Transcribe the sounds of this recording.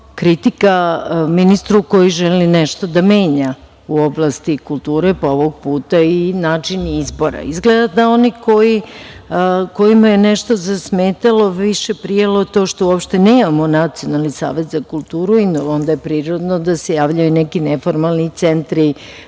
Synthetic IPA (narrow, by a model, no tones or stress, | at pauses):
kɾit̪ikaminist̪ɾuko̞jiʒɛlinɛʃt̪o̞d̪ameːɲa | uo̞blˠast̪ikulˠt̪uːɾepooʋoɡ̚puːt̪ainaːt͡ʂinizbo̞ɾa̰izɡled̪ad̪ao̞niko̞ji | ko̞jimajenɛʃt̪o̞zasmeːt̪alo̞ʋiʃe̞pɾijalot̪o̞ʃt̪ouopʃt̪e̞ne̞ːmamonat̪sio̞nalˠnisa̰ːʋe̞t̪zakulˠt̪uːɾuino̞nd̪ajepɾiːɾo̞d̪nod̪asejaːʋʎajunɛkinefoɾmalˠnit̪sent̪ɾi